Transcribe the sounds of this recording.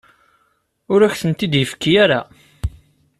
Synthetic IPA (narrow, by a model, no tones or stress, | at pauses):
ʊɾæçθənt̪id̪jəfə̥kːijæɾa